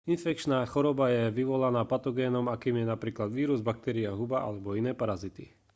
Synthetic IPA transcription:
infɛk̚t͡ʃnaːxɔɾɔbajɛʋiʋɔlanaːpat̪ɔɡɛːnɔmakiːmjɛnapɾiːklad̪ʋiːɾuzbak̚t̪ɛɾiaɦubaʔa̰lɛbɔinɛːpaɾazit̪i

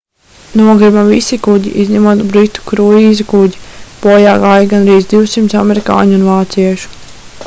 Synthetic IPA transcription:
nuɔɡɾibamvisikuɟḭʔizʲɲɛmuɔt̪bɾit̪u̥kɾuiːzukuɟipɔjaːɡaːjaɡanɾiːzd̪iwsimt̪sa̰mɛɾika̰ːɲunvaːt̪siɛʃu̥

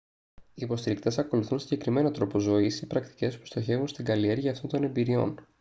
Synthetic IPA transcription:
iːpo̞st̪iɾikt̪e̞sɐko̞luθunsiɲɟe̞kɾime̞not̪ɾo̞po̞zo̞isipɾɐkt̪i̥ce̞spu̥st̪oçe̞vunst̪iɡɐlie̞ɾʝɐːft̪o̞nd̪o̞ne̞mbiɾio̞̰n

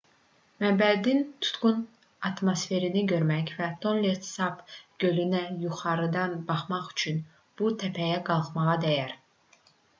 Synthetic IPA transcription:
mæmbæd̪int̪ʰu̥t̪ɡun | ɑt̪mosfe̞ɾiniɟø̞ɾmæçvæt̪ʰo̞nleɾt̪sɑpɡ̥ø̞lynæjuχɑɾɯd̪ɑnbɑχmɑχy̥t͡ʃʰyn | b̥ut̪ʰæpʰæjæɡɑlˠχmɑʁɑd̪æjæɾ

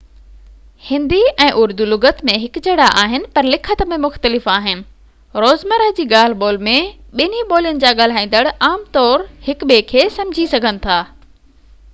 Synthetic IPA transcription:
hɪ̃nd̪iɛ̃ːʔʊɾd̪ulʊɡət̪mẽɦɪkd͡ʑɐɽaʔaːɦɪnɪ̆pɐɾlɪkʰət̪mẽmʊxt̪əlɪfaːɦɪnɪ̆ | ɾoːzməɾəd͡ʑiːɠaːl̤ɓoːlmẽɓɪniɓoːlijənɪ̆d͡ʑaːɠaːl̤aːĩːn̆d̪əɽaːmt̪ɔːɾhɪkɓekʰeːsɐ̃md͡ʑʱisɐɡʱənɪ̆t̪ʰaː

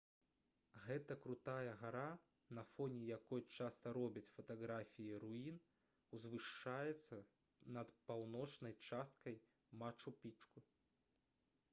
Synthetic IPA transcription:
ɣɛt̪ɐkɾut̪ajɐɣaɾa | nɐfɔnʲɛjakɔjt͡ʂast̪ɐɾɔbʲit͡sʲfɐt̪aɣɾafʲijiɾuin | uzvɨʂːajɛt̪sːɐ | nɐt̪pawnɔt͡ʂnɐjt͡ʂast̪̚kɐj | mat͡ʂupʲit͡ʂku

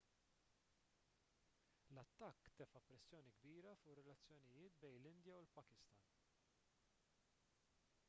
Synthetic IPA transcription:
lɐt̪ːɐkːt̪ɛfɐpɾɛsːjɔːniɡbiːɾɐfʊːʔrɛlɐt͡sːjɔnɪjɪːt̪bɛjnlɪnd̪jɐwlpɐkɪst̪ɐn

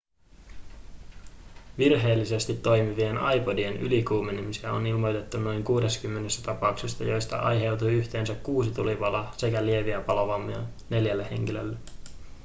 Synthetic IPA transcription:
ʋirɦe̞ːlːise̞st̪it̪ːo̞jmiʋienɑjpo̞die̞nylikuːmenimisiæo̞̰nilmo̞jt̪e̞t̪ːuno̞jŋkuːde̞skymːe̞nest̪æt̪ɑpɑuksest̪ɑ̰jo̞jst̪ɑ̰ʔɑ̰jɦe̞wt̪ujyçt̪e̞ːnsækːuːsit̪uliʋɑlɑse̞kælie̞ʋiæpɑloʋɑmːiɑ | ne̞ljælːehe̞̰ŋkilø̰lːe

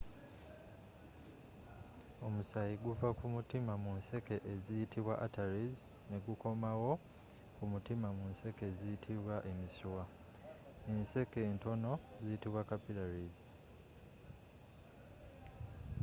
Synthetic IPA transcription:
o̞musajiɡuvakumutimamunse̞ke̞ʔːzijitʰiβwaʔataɾiz | ne̞ɡuko̞mawo̞ | kumutimamunse̞ke̞zijitʰiβwaʔe̞misuwa | ense̞ke̞ːnto̞no̞ziitiβwakapilaɾiz

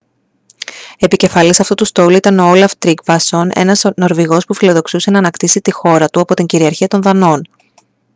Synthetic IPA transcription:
e̞pice̞fɐlisɐft̪ut̪ust̪o̞luit̪ɐno̞olɐft̪ɾiɡvɐso̞ne̞̰nɐsno̞ɾviɣo̞spufilo̞ðo̞ksuse̞nɐːnɐkt̪isit̪ixo̞ɾɐt̪uɐpo̞t̪iɲɟiɾiɐɾçiɐt̪o̞nðɐno̞n

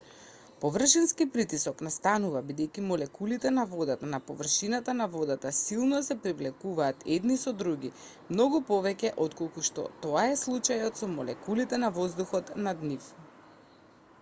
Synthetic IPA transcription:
pɔvr̩ʃɛnskipɾit̪isɔknast̪anuvabid̪ɛjkimɔlɛkulit̪ɛnavɔd̪at̪anapɔvr̩ʃinat̪anavɔd̪at̪asilˠnɔsɛpɾivlɛkuvaːt̪ʰɛd̪nisɔd̪ɾuɡi | mnɔɡupɔvɛcɛʔɔt̪kɔlˠkuʃt̪ɔ̰t̪ɔaɛslˠut͡ʃajɔt̪sɔmɔlɛ̰kulit̪ɛnavɔzd̪uxɔt̪nad̪nif

